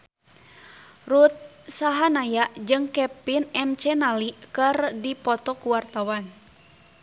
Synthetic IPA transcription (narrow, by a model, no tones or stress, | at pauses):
rut̪̚saɦanajaʔd͡ʒɨŋkɛpinɛmt͡ʃɛnalikɨrdipɔt̪ɔkuwart̪awan